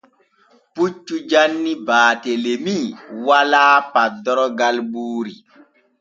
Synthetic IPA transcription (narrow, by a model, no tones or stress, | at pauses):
put͡ʃːud͡ʒanːibaːtelemiwalaːpadɔɾɔɡalɓuːɾi